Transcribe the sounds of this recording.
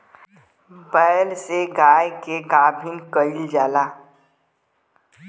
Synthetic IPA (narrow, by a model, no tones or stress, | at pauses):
bəːlseɡaːjkeɡaːbʱinkəɪld͡ʒaːlaː